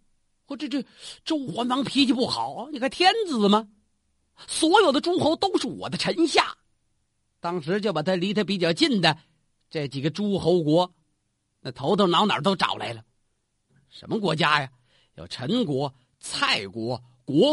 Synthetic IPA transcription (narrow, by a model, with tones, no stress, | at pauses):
xwɔ˥˩ʈ͡ʂə˥˩ʈ͡ʂə˥˩ʈ͡ʂo˥ʊxwa˧˥nmɑ˧˥ŋpʰi˧˥t͡ɕʰi˧˥pu˥˩xɑ˨˩˦ʊni˧˩kʰa˥˩ɪt̪ʰjɛ˥nd͡zɹ̩˨˩mɐ˧ | swɔ˧˥jo˨˩ʊd̪ə˦ʈ͡ʂu˥xo˧˥ʊt̪o˥ʊʂɻ̩˥˩wɔ̰˨˩d̪ə˦ʈ͡ʂʰə˧˥nɕja˥˩ | t̪ɑ˥ŋʂɻ̩˧˥t͡ɕjo˥˧ʊpa˨˩t̪ʰa˥li˧˥t̪ʰa˥pi˧˥˩t͡ɕjɑ˥˩ʊt͡ɕi˥˩nd̪ə˩ | ʈ͡ʂə˥˩t͡ɕi˨˩ɡə˦ʈ͡ʂu˥xo˧˥ʊkwɔ˧˥ | na˥˩t̪ʰo˧˥ʊt̪ʰŋnɑ˧˥ʊnə̰˨˥t̪o˥ʊʈ͡ʂɑ̰˨˩ʊla̰˧˥ɪlə˨ | ʂə̰˧˥nmə˧kwɔ˧˥t͡ɕja˥jɐ˨ | jo̰˨˩ʊʈ͡ʂʰə˧˥ŋkwɔ˧˥ | t͡sʰa˥˩ɪkwɔ˧˥ | kwɔ˧˥